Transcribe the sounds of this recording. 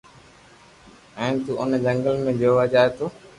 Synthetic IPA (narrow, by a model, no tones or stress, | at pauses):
ɛ̃ːt̪uːʔʊnd͡ʒəŋɡəlmẽːd͡ʒoːʋad͡ʒaːet̪oː